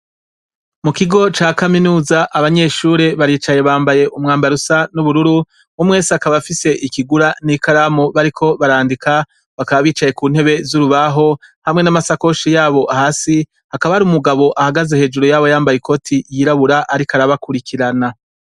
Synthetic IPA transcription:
mukiɡo̞t͡ʃaːkaminuːzaʔaβaɲe̞ʃuɾe̞βaɾiːt͡ʃaje̞βaːmbaje̞ʔumŋaːmbaɾusanuβuɾuɾu | umŋe̞ːsakaβafise̞ʔikiɡuɾanikaɾaːmuβaɾikʰo̞βaɾaːndika | βakaβaβiːt͡ʃaje̞kuːn̥he̞βe̞zuɾuβaɦo̞hamŋe̞namasako̞ʃijaːβo̞ʔahaːsi | hakaβahaɾiumuɡaβo̞ʔahaɡaze̞he̞ːd͡ʒuɾojaːβo̞jaːmbajiko̞tʰijiɾaβuɾaʔaɾikaɾaβakuɾikʰiɾana

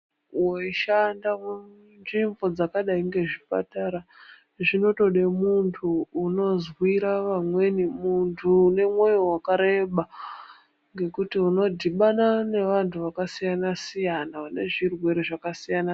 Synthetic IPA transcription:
woiʃandam | nʐimvo̞d͡zakaɗaiŋɡe̞ʐipa̰taɾa | ʐino̞to̞ɗe̞muntʰuːno̞zwiɾaʋamwe̞nimuntʰuːne̞mwo̞jowakaɾe̞ɓa | ŋɡe̞kutiuno̞dʱiɓanane̞ʋantʰuʋakasijanasijanaʋane̞ʐirwe̞ɾeʐakasijana

